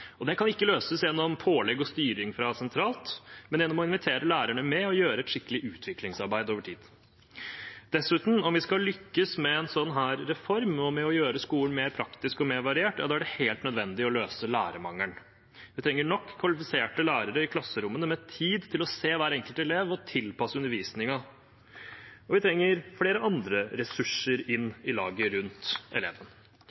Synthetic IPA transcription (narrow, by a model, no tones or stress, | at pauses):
ɔd̪ɛkɑnɪkːəløːsəsjɛnːɔmpʰoːlɛɡɔst̪yːɾɪŋfɾɑsɛnt̪ʰɾɑːlt̪mɛnjɛnːɔmɔɪnʋɪt̪ʰeːɾəlæːɾæɳəmɛɔjøːɾəɛt̪ʂɪkːəlɪʔʉːt̪ʰʋɪklɪŋsɑɾbæɪd̪oːʋəʈʰḭːd̪̥ | d̪̥ɛsʉːt̪n̩ɔmʋɪskɑlʏkːəsmɛɛnsɔnːɦæːɾːɛfɔɾmɔmɛɔjøːɾəskuːəɳmeːɾpʰɾɑkt̪ɪskɔmeːɾʋɑɾɪeːʈjɑd̪ɑːæɖɛheːlt̪nœd̪ʋɛnd̪ɪɔløːsəlæ̰ːɾəmɑ̰ŋːəɳ | ʋʋɪt̪ʰɾɛŋːəɳɔkʰːʋɑlɪfɪseːʈəlæːɾəɾəɪkʰlɑsːəɾʊmːənəmɛt̪ʰiːd̪t̪ʰɪlɔseːʋæːɾɛŋkəlt̪ɛleːʋɔt̪ʰɪlpɑsəʉnːəɾʋiːsnɪŋɑ | ɔʋɪt̪ʰɾɛŋːəɾfleːɾəɑnd̪ɾəɾɛsʉʂəɾɪnːɪlɑ̰ːɡəɾʉnt̪ɛ̰lḛːʋən